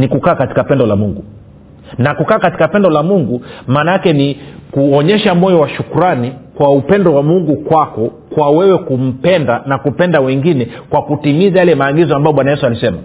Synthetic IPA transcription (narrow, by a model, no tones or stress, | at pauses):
nikukaːkati̥kapɛndɔlamuŋɡu | nakukaːkati̥kapɛndɔlamuŋɡumaːnaakɛnikuɔɲɛʃamɔjɔwaʃukuɾanikwaupɛndɔwamuŋɡukwakɔ | kwawɛwɛkum̩pɛndanakupɛndawɛŋɡinɛkwakutimizajalɛmaːɠizɔambajɔɓwanajɛsualisɛma